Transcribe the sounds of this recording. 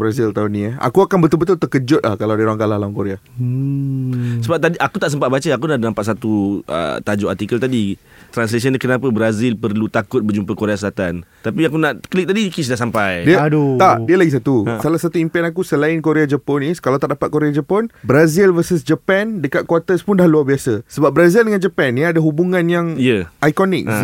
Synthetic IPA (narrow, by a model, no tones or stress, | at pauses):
bɾazilt̪aunĩəa̰kuakanbət̪ʊlbət̪̬ʊlt̪əkəd͡ʒʊt̪̚lahkalawdiuɾaŋɡalaɦlaŋkoɾea | səbap̚t̪adiʔakut̪aʔsəmpat̪̚bat͡ʃəakunaʔdənampat̪̚sat̪uʔə̰t̪ad͡ʒʊʔart̪ikəlt̪adit̪ɾansles̬ənkənapəbɾazɪlpərlut̪akʊt̪̚bərd͡ʒumpəkoɾeasəlat̪ant̪apiakunaʔklik̚t̪adikisudahsampajdiədt̪aʔdiəlaɡis̬at̪usalahsat̪uimpɛnakusəlaɪnkoɾead͡ʒəpɔniskalawt̪aʔdapat̪̚koɾead͡ʒəpɔnbɾazilvərsəs̬d͡ʒəpɛndəkat̪̚kwat̪əspʊndahluarbiasəsəbap̚bɾazildəŋand͡ʒəpɛnadaɦubuŋãnjaŋijəʔajkɔnɪk̚